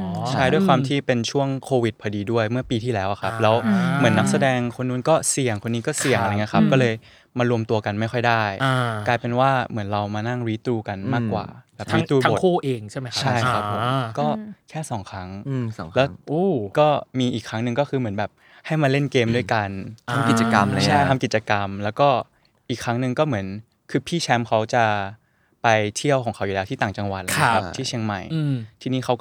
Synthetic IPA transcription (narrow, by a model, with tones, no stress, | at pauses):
t͡ɕʰa˥˩jdu˥˩jkʰwaː˧mt̪ʰiː˥˩pe˧nt͡ɕʰu˥˩əŋkʰoː˧wi˨˩t̪̚pʰa˧diː˧du˥˩əjmɯ˥˩ɐpiː˧t̪ʰiː˥˩lɛː˦˥wʔa˨˩kʰa˦˥p̚lɛː˦˥wmɯ˩˦ənːa˦˥k̚sa˧dɛː˧ŋkʰo˧nːuː˧˥nkɔː˥˩si˨˩əŋkʰo˧nːiː˦˥kɔː˥˩si˨˩əŋʔa˧a˧ŋːi˦˥ɐ˧a˦˥p̚kɔː˥˩lɤː˧j | maː˧ɾu˧əmt̪u˧ɐka˧nma˥˩jxʰɔ˥˩jdaː˥˩ja˧klaː˧jpe˧nwaː˥˩mɯ˩˦ənɾa˧wmaː˧na˥˩ŋɾiː˦˥t̪ɾuː˧ka˧nmaː˥˩kːwa̰ː˨˩bɛː˨˩pɾiː˦t̪ɾuː˧a˦o˨˩kʰuː˥˩ʔeː˧ŋt͡ɕʰa˥˩jm˦jt͡ɕʰa˥˩jkʰa˦˥pʰːo˨˩˦mkɔː˥˩kʰɛː˥˩sɔː˩˦ŋkʰɾa˦˥ŋ˧ɔ˨˩˦lɛː˦˥ʔoː˧˩kɔː˥˩miː˧ʔiː˨˩kʰɾa˦˥ŋnɯ˨˧ŋkɔː˥˩kʰɯː˧mɯ˩˦nbɛː˨˩p̚ | ha˥˩jma˧le˥˩nkeː˧mdu˥˩əjka˧na˧m˧ki˨˩t̚t͡ɕa˧ka˧mlʰa˥˩jt̪ʰa˧mki˨˩t̪̚t͡ɕa˧ka˧mlɛː˦˥wkɔː˥˩ | ʔiː˨˩kʰːɾa˦˥ŋnɯ˨˧ŋkɔː˥˩mɯ˩˦ən | kʰɯː˧pʰiː˥˩t͡ɕʰɛ˦˥mkʰa˦˥wt͡ɕa˨˩ | pa˧jt̪ʰi˥˩əwkʰɔː˩˦kʰa˦wjuː˨˩ɛ˦wt̪ʰiː˥t̪aː˨˩ŋt͡ɕa˧ŋwa̰˨˩t̪̚ːʰa˦˥p̚t̪ʰiː˥˩t͡ɕʰi˧əŋma˨˩jt̪ʰiː˧niː˦˥kʰa˦˥wkɔ˩